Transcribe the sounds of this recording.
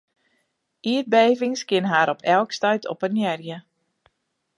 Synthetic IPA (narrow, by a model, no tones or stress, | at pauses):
ʔiət̚beːvɪŋskɪnɦaːɾɔpʰɛlˠkstœɥtʰɔ̰pənjɛrjə